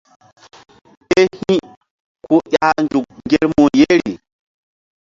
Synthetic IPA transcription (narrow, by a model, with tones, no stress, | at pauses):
e˦hĩ˦ | ku˦ʔʲa˦nd͡ʒu˨k̚ŋɡe˦ɾmu˨je˦ɾi˨